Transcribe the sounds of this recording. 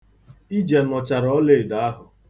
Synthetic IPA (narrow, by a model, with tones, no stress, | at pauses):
i˦d͡ʒe˨nɔ˨t͡ʃa˨ɾɔ˦le˦˨da˨a˦ɦʊ˨